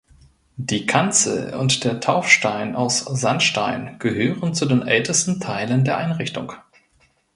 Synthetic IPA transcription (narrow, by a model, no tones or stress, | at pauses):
d̥iːkʰant͡sl̩ʊ̰ntd̥eːɐtʰaʊfʃtaɪna̰ʊsz̥anʃta̰ɪnɡ̥əhøːʁənt͡sudeːnʔɛ̰ltʰəstn̩tʰaɪləndeːɐʔaɪnʁɪçtʊ̰ŋ